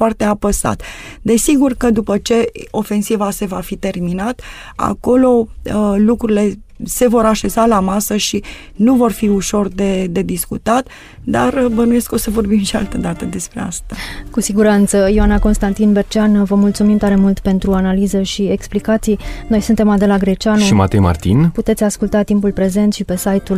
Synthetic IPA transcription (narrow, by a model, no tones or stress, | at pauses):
foart̪e̞apəsa̰t̪ | d̪e̞siɡurkəd̪upət͡ʃe̞o̞fe̞nsivase̞vafit̪e̞rminat̪ | a̰ko̞lo̞əlukɾuɾile̞ | se̞vo̞ɾaʃe̞zalamasəʃi | nuvo̞rfiuʃo̞rd̪e̞d̪e̞d̪iskṵt̪at̪ | d̪arbənuje̞sko̞səvo̞rbimʃia̰lt̪əd̪at̪əd̪e̞spɾe̞a̰st̪akusiɡuɾant̪səjioanako̞nst̪ant̪inbe̞rt͡ʃanvəmult̪sumimt̪aɾe̞mult̪pe̞nt̪ɾuanalizəʃie̞ksplikat̪sijno̞jsunt̪e̞mad̪e̞laɡɾe̞t͡ʃanuʃimat̪ejma̰rt̪ḭnput̪e̞t̪sʲaskult̪at̪impulpɾe̞ze̞nt̪ʃipe̞sajt̪ul